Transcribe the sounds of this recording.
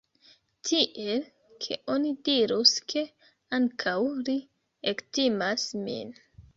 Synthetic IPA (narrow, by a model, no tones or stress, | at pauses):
tʰiʔe̞l | kʰe̞̰ʔo̞nidiɾuskʰe̞ | aŋkʰawli | ektimasmḭn